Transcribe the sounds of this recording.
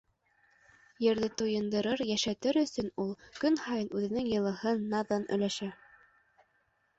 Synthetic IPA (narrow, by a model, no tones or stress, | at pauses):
jɘ̆ɾðɘt̪ujɤ̆nd̪ɤ̆ɾɤɾjæʃæt̪ɘɾɵ̆sɵnulˠkɵnhɑjɤnʉðɘ̆nɘŋjɤ̆lˠɤ̆ɦɤnːɑðɤnʔɵ̰̆læʃæ